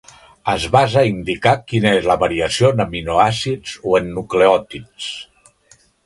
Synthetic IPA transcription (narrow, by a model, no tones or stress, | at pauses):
əzβazəind̪ikakinəezləβəɾiəsionəminoasid͡zoenːukleɔt̪its